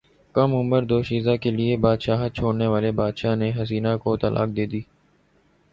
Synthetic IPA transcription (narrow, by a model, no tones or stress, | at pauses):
kəmʊməɾd̪oːʃiːzakeliebaːd̪ʃaːɦ̚t͡ʃʰoːɽneʋaːlebaːd̪ʃaɦneɦɐziːnakot̪ɐ̰lʔa̰ːk̚d̪eːd̪iː